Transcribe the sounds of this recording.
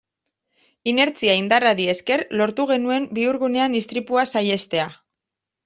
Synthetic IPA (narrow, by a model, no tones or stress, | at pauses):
ine̞ɾt͡siaind̪araɾie̞ske̞rlo̞ɾt̪uɣ̞e̞nue̞mbiuɾɣune̞anist̪ɾipuasaje̞st̪e̞a